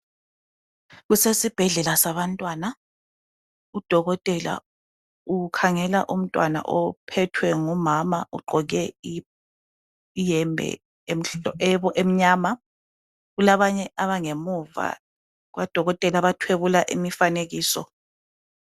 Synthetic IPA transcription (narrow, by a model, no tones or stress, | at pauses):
ɣusesib̥ʱɛɮɛlasaβantʼwaːna | ud̥ʱɔɣɔtʼɛla̰ | ukʰaŋɛla̰ʔum̩tʼwana̰ʔɔpʰɛtʰwɛŋumamaʔṵɡ͡ǃʱɔɣɛi | ijɛmbʱɛ̰ | em̩ɛβɔʔem̩ɲaːma | ɣulaβaɲɛʔaβaŋemuva̰ | ɣwʔad̥ʱɔɣɔtʼɛlaβatʰweβulaʔimifaneɣiːsɔ̰